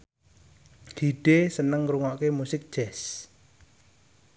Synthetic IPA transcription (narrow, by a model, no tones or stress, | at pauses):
hiɖ̥esənəŋɾuŋɔʔkemusɪk̚d̥ʒ̥ɛs